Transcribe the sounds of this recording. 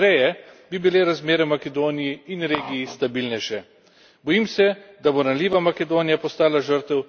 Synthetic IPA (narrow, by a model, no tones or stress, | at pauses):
ɾɛjɛbibileɾazmeːɾɛmakɛd̪oːnijiinɾeːɡijːst̪abilnɛjʃɛ | bɔjiːmsɛd̪abonaliːʋamakɛd̪oːnijapɔst̪aːlaʒəɾt̪ɛw